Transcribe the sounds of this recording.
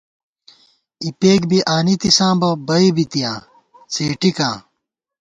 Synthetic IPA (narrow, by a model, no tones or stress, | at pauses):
ipeːk̬biʔaːnit̪isãːbɐbɐibit̪ijãː | t͡seːʈikãː